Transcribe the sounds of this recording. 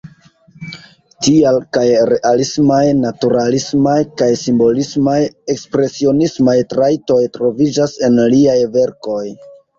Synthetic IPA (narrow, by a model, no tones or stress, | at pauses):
tialkajɾe̞ʔalismajnatuɾalismajkajsimbo̞lismaje̞kspɾe̞sio̞nismajtɾajto̞jtɾo̞vid͡ʒase̞nliajve̞ɾko̞j